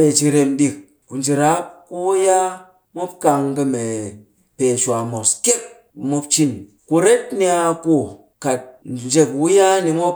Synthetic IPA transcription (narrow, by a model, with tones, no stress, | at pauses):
e˨t͡ʃi˧ɾe˧nɗi˧k̚ | ku˨nd͡ʒi˨ɾa˦ku˦wja˦ | mo˦p̚ka˧ŋkə˧me˨ | pe˨t͡ʃʷa˨mo˨ske˦k̚ | mo˦pt͡ʃi˦n | ku˧ɾe˦tni˧˦a˧ku˦˨ | ka˨t̚d͡ʒe˧kwu˦ja˦ni˧mo˦p̚